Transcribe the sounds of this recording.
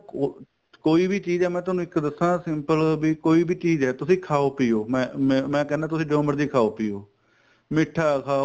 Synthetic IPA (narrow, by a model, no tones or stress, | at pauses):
o | koːiːbiːt͡ʃiːzɛːmɛ̃ːt̪ʊaːnũːɪkd̪əsnãːsɪmpəlbiːkoːiːbiːt͡ʃiːzɛːt̪ʊsĩːkʰaːoːpiːoːmɛ̃ːmɛ̃ːkɛːnãːt̪ʊsĩːɖəəməɾd̪iːkʰaːoːpɪːoː | mɪʈʰːaːkʰaːo